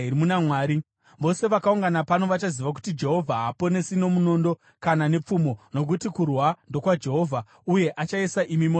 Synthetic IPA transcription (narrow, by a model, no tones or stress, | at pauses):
iɾimunamwaːɾi | ʋo̞se̞ʋakauŋɡanapano̞ʋat͡ʃaziʋak̬u̥tid͡ʒe̞ɦo̞vʱaɦapo̞ne̞sino̞muno̞ːndo̞ | kanane̞p͡fumo̞no̞k̬utikurwando̞kwad͡ʒe̞ɦo̞vʱa | uje̞ʔat͡ʃaisaʔimimo